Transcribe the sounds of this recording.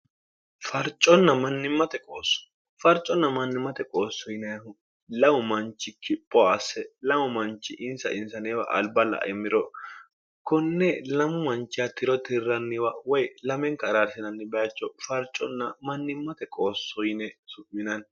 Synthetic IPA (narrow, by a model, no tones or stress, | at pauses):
fɐɾt͡ʃʼːɔnːɐmɐnːɪmːɐt̪ɛkʼoːsːɔ̥ | fɐɾt͡ʃʼːɔnːɐmɐnːɪmːɐt̪ɛkʼoːsːɔjɪnɛjɐhʊ | lɐmʊmɐnt͡ʃːɪkɪpʼːɔɐsɛlɐmʊmɐnt͡ʃːɪʔɪnsɐ̰ʔɪnsɐnɛwɐ̰ʔɐ̰lbɐlɐ̰ʔɛmːɪɾɔ | kɔnːɛlɐmʊmɐnt͡ʃːɪjat̪ɪɾɔt̪ɪrːɐnːɪwɐwɔjlɐmɛŋkɐɾasɪnɐnːɪbɛɐt͡ʃːɔfɐɾt͡ʃʼːɔnːɐmɐnːɪmːɐt̪ɛkʼoːsːɔjɪnɛsʊʔɪnɐn